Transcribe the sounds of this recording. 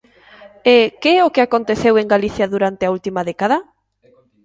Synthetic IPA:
ekeɛʊkɪakont̪eθeweŋɡaliθjɐðuɾant̪ɪault̪imaðɛkaðɐ

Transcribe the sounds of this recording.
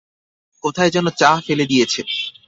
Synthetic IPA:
kot̪ʰaed͡ʑonːot͡ɕafeled̪ijet͡ɕʰe

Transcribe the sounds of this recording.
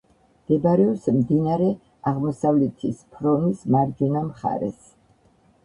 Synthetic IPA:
md̪̥ɛbaɾɛɔpsmd̪inaɾɛ | aʁmɔsavlɛt̪ʰispʰɾɔnismaɾd͡ʒɔnamχa̰ɾɛ̰s

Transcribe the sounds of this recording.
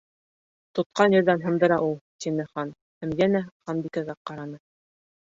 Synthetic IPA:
t̪ŏt̪̚qɑnjɵ̆ɾðænɦɤ̆nd̪ɤ̆ɾɑʔulˠt̪inɘχɑn | hæmjænæχɑnbikæɣæqɑɾɑnɤ

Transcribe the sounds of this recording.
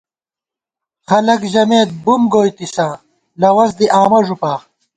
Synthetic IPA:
χɐlɐkʑɐmeːt̪̚bumɡoːjt̪isãː | lɐwɐzd̪iʔaːmɐʐupaː

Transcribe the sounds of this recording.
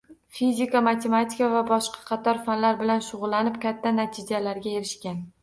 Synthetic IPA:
fizʲɪkamat̪ʰe̞mat̪ʰɪkavabɒʃqʰɑ̥qʰɑt̪ʰɒɾfanlaɾbɪlanʃʊʁʊlˠːanɪpkʲat̪ʰːanat̪ʰɪd͡ʒalaɾɡʲae̞ɾɪʃkʲan

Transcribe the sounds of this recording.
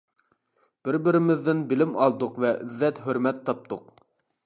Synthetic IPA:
b̥ɪɾbɪɾɪmɪðːɪnbɪlɪmɑlˠd̪ʊqvɛʔyðːɛt̪ɦøɾmɛt̪ʰːɑp̚t̪ʰʊq

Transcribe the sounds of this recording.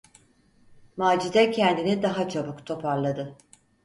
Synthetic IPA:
maːd͡ʒizɛcʰɛnd̪inid̪aɦat͡ʃʰabɯkt̪ʰo̞pʰaɾlˠad̪ɯ

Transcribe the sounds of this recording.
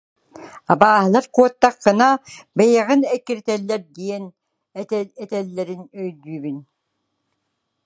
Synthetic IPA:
abaːɦɯlˠaɾquɔt̪ːaqːɯnabɯjaʁɯnɛkːiɾt̪ɛlːɛɾd̪iɛn | ɛt̪ɛɛt̪ɛlːɛɾinœjd̪yːbyn

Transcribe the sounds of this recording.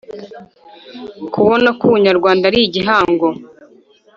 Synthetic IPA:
kuβo̞nakuβuɲaɾɡwaːndaɾiɟiɦaːŋɡo

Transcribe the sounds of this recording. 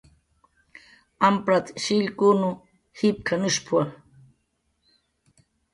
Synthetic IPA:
ampɾat̪ʃiʎkunu | hip̚kʰanuʃpʰua

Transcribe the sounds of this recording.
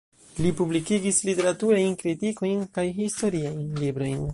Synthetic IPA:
lipublikiɡislite̞ɾatuɾajnkɾitiko̞jnkajɦisto̞ɾiajnlibɾo̞jn

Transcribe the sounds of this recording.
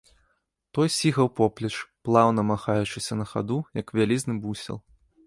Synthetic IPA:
t̪ɔjsʲiɣɐwpɔplʲɐt͡ʂplˠawnɐmaxajut͡ʂɨsʲɐnɐxa̰d̪ujɐkvʲalʲiznɨbusʲɛ̰lˠ

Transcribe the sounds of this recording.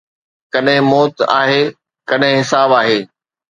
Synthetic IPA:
kɐɗɦɪ̃mɔːt̪a̰ːɦeː | kɐɗɦɪ̃ɦɪsaːbaːɦeː

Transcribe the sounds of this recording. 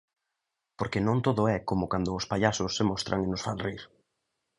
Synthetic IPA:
poɾkenõnt̪oðʊɛkomʊkand̪ʊːspaʎasʊsːɪmɔst̪ɾaŋɪnʊsfalriɾ

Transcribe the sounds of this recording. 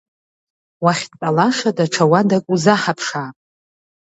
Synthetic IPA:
waχʲtt͡sʼalaʂadaʈ͡ʂʰawadakʷʼuzaħapʰʂaːpʼ

